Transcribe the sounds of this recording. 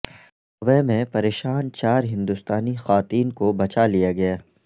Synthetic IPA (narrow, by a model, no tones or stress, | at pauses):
ɐbɛmẽpɐɾeːʃaːnt͡ʃaːɾɦɪ̃nd̪ʊst̪aːnixaːt̪iːnkobɐt͡ʃalijaɡɐjaː